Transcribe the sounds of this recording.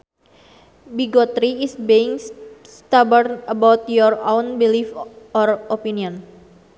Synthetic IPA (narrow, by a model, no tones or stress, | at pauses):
biɡɔt̪ɾiisbeiŋst̪abərnəbawt̪jɔrownbilifɔropiniɔn